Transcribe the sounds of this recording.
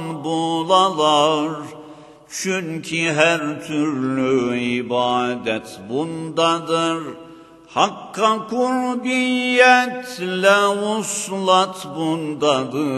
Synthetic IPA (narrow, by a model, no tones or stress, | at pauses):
nbolˠalˠaɾ | t͡ʃʰyɲcʰiɦæɾt̪ʰyɾlyibaːd̪ɛt̪bund̪ad̪ɯɾ | hakʰːakʰuɾbijɛt̪lɛuslˠat̪ʰbund̪ad̪ɯ